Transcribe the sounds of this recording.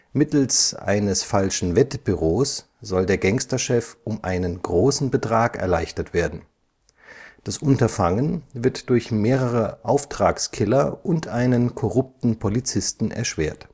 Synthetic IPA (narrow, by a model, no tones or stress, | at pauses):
mɪtl̩sʔa̰ɪnəsfalʃn̩vɛtəb̥yʁoːs | z̥ɔldeːɐɡɛŋstɐʃɛfʔʊmʔa̰ɪnənɡʁoːsn̩bətʁ̥aːkɛ̰ɐlaɪçtɐtv̥eːɐdn̩ | d̥asʔʊntɐfaŋənvɪɐtd̥ʊɐçmeːʁəʁəʔaʊftʁ̥aːkskʰɪlɐʔʊntʔaɪnənkʰɔʁʊp̚tn̩pʰolit͡sɪstn̩ʔɛ̰ɐʃv̥eːɐt